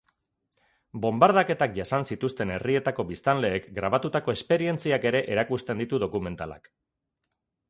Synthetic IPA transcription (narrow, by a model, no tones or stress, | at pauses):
bo̞mbaɾð̞ake̞t̪akʝasansit̪ust̪e̞ne̞rie̞t̪ako̞βist̪anle̞ːkɡɾaβ̞at̪ut̪ako̞e̞spe̞ɾie̞nt͡siake̞ɾe̞ʔeɾakust̪e̞nd̪it̪uðo̞kume̞nt̪ala̰k